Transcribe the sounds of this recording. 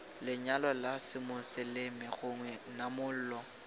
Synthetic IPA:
lɪɲalɔlasɪmʊsɪlɪmɪɣʊŋwɛnamʊl̩ːlɔ

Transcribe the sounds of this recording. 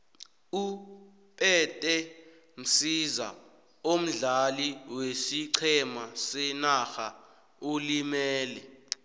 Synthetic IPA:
u | pʼɛtʼɛ | m̩siza̰ | om̩ɮaliwesiǀʰɛmasɛnaxa | olimɛːlɛ

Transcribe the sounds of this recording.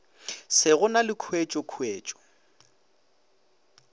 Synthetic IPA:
sɪɣʊnalɪkʰwet͡ʃʼɔkʰweːt͡ʃʼɔ̥

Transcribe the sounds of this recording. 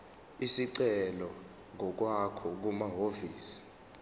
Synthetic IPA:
isiǀɛlɔ | ŋʱɔk̬wakʰɔk̬umaɦoviːsi̥

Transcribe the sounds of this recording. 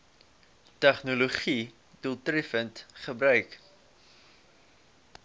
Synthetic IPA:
tæχnuluχi | dulˠtrɛfəntχəbɾœɥk

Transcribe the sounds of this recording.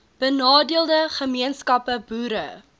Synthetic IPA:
b̥ənɑːdiəlˠdəχəmiənskɐpəbuːɾə

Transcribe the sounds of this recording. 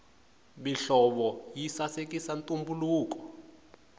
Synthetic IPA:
ɓiɬɔɓɔjisasek̬ʼisantʼumbuluːk̬ɔ̥

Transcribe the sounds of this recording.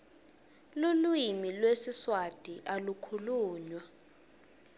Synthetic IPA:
lulwimilwesiswad̥ʱiʔalukʰuluːɲwa

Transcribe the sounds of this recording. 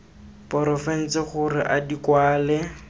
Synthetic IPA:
pɔɾɔfɛn̩t͡sɪχʊrɪʔadikwaːlɛ

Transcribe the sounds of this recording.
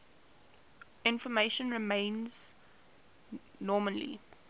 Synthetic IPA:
ɪ̃nfɔmeʃə̃nɹɪmẽɪ̃nz̥ | nɔːməlḭ

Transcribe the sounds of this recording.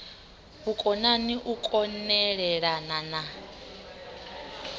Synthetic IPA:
βukʼɔnaniʔukʼɔnɛɺɛɺanana

